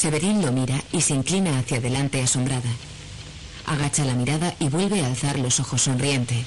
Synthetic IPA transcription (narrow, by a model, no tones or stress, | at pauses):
se̞βe̞ɾinlo̞miɾaise̞iŋklinaːθjaðe̞lant̪e̞aso̞mbɾaða | a̰ɣ̞at͡ʃalamiɾaðaʔiβwe̞lβe̞aːlθaɾlo̞so̞xo̞sːo̞nrie̞nt̪e̞